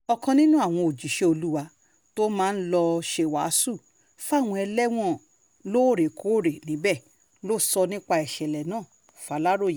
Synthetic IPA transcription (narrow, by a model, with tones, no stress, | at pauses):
ɔ˧kã˧nĩ˦nũ˦a˦˨w̃ɔ̃˧o˨d͡ʒi˨ʃe˧o˧lu˦wa˧ | to˦mãː˦˧n̩˦lɔ˧ʃe˦˨wa˨˦su˦˨ | fa˦˨w̃ɔ̃˧ɛ˧lɛ˦w̃ɔ̃˦˨ | lo˦˨ɾe˨kʰo˨˦˨ɾe˨nĩ˨˦bɛ˦˨˦ | lo˦˨sɔ˧nĩ˦k͡pa˧ɛ˨ʃɛ˨lɛ˨nãː˦˨ | fa˨˦la˦ɾo˦˨je˨